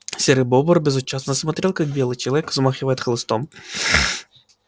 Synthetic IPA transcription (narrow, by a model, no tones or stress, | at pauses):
sʲɛɾɨbɔbərbʲɪzʊt͡ɕasnəsmɐt̪ɾʲelˠkak̚bʲelˠɨjt͡ʃɪlˠɐvʲɛkzmaxʲɪvajɛt̪xlˠɨst̪ɔm